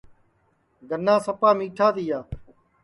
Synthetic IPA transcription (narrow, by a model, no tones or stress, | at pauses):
ɡənːãːsəpaːmĩːʈʰaːt̪iːaː